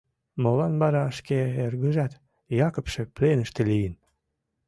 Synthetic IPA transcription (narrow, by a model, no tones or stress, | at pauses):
molɑnbɑɾɑəʃkeerɣəʒɑt̪ | jɑkopʃeplenəʃt̪elijən